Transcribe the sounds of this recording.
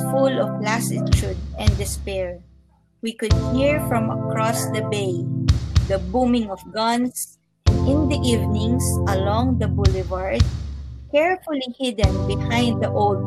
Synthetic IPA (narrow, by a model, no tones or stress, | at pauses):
fʊlɔvlasɪt͡ʃud̪̚ɛ̃nd̪ɪspɛɹ | wikʊd̪̚hiɹfɹɔ̃mɐkɹɔsd̪ɐbeɪd̪ɐbumɪ̃ŋɔfɡʌ̃ns | ʔɪ̃nd̪iʔivnɪ̃ŋsʔɐlɔ̃ŋd̪ɐbʊlɪvaɹd̪̚kɛɹfʊlihɪd̪ɛ̃nbɪhãj̃nd̪̚d̪ɐʔold̪̚